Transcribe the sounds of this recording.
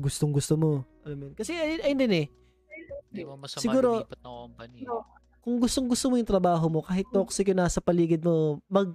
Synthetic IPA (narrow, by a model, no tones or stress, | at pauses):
ɡʊst̪oŋɡʊst̪omoʔɐlɐmjonkɐsɛɐɐjnd̪ɛnɛ | sɪɡuːɾo̞ | kʊŋɡʊst̪oŋɡʊst̪omojʊŋt̪ɾɐbaːɦo̞mo̞kaːɦɪt̪̚ːoksɪkonaːsɐpɐliːɡɪd̪̚mo̞mɐɡ̚